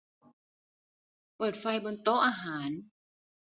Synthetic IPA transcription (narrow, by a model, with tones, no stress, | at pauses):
pɤː˨˩t̪̚fa˧jbo˧nt̪o˦˥ʔaː˧ɦaː˩˦n